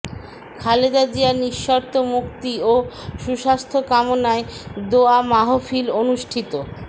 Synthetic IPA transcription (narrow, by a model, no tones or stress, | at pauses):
kʰaled̪ad͡ʑiaɾniʃːɔɾt̪omukt̪ioʃuʃast̪ʰokamonaed̪oamaɦofilonuʃʈʰit̪o